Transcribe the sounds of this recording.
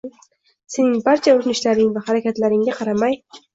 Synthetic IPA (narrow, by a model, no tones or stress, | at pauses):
se̞nɪŋbaɾt͡ʃʰaoɾnɪʃlaɾɪŋvahaɾakʲat̪laɾɪŋɡʲaqʰɑɾamaj